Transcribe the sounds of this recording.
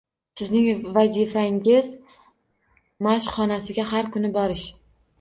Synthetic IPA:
sɪznɪŋvazifaŋɪz | maʃχɒnasɪɡʲaɦaɾkʰʊnɪbɒɾɪʃ

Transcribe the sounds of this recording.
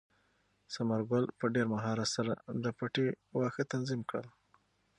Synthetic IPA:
samaɾɡʊlpəɖeɾmaɦɑɾat̪saɾad̪əpaʈe | wɑxət̪anzimkɽəl

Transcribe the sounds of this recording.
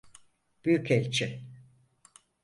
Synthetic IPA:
b̥yjycʰɛlʲt͡ʃʰɪ

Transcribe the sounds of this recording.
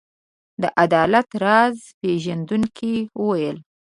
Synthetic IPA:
d̪əʔad̪ɑlat̪ɾɑz | peʒand̪uŋkʰiwəwajəl

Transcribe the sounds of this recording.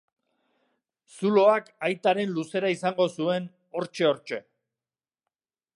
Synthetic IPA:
sulo̞akajt̪aɾe̞nluse̞ɾaisaŋɡo̞sue̞n | o̞ɾt͡ʃe̞o̞ɾt͡ʃe̞

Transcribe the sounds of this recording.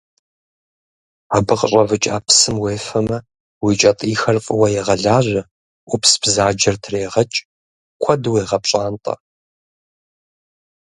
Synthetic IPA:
aːbɨqʼəɕʼɐvɨt͡ʃʼaːpʰsɨmweːfɐmɐ | wiːt͡ʃʼɐtʼiːxɐrfʼɨwɐjɛʁɐɮaːʑʷɐ | ʊpsbzaːd͡ʒɐrtʰreːʁɐt͡ʃʼ | kʷʰɐdweːʁɐpɕʼaːntʼɐ̰

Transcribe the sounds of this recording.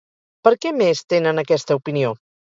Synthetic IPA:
pəɾkɛmest̪enənəkɛst̪əupinio

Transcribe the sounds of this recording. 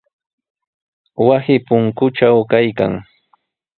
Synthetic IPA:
wasɪpʊŋkʊʈ͡ʂawkajka̰ŋ

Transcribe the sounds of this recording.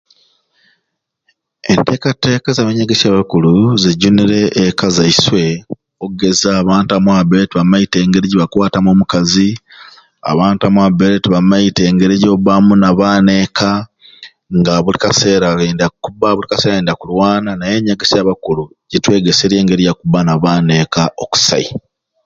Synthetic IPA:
ente̞ːkate̞ːkazaβeɲaɡesjaβakuluzeɟuniɾe̞ʔːkazaiswe̞ | oɡe̞zaːβaːntamwaβeɾetiβamaite̞ːŋɡe̞ɾiɟiβakwaːtamomukazi | a̰βaːntamwabeɾetiβamaite̞ːŋɡe̞ɾeɟoβamunaβaːne̞ːka | ŋɡaβulikase̞ːɾaeːndakubaβulikaseːɾaeːndakulwaːnanaje̞ɲaɡesaβakulu | ɟetwe̞ːɡeseɾje̞ːŋɡe̞ɾijakubanaβaːne̞kaʔoku̥sa̰i

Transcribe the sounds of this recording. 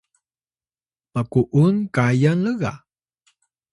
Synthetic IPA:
pakuʔunkajanləɣa̰

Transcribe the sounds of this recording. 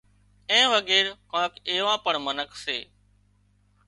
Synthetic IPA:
ẽːʋəɠeːɾkãːkeːʋãːpəɳmənəkseː

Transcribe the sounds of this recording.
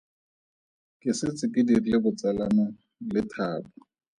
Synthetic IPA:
kʼɪsɪt͡sʼɪkʼɪdirilɪbʊt͡sʼalana | lɪtʰaːba

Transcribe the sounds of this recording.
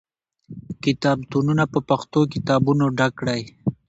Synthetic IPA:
kɪt̪ɑːb̚t̪ununapəpaxt̪okɪt̪ɑbunoɖakɽaj

